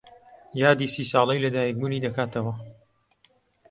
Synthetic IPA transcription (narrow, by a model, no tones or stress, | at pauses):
jaːd̪iːsiːsɑːlˠɐjlɐd̪aːjik̚muniːd̪ɐkaːt̪ʰɐwɐ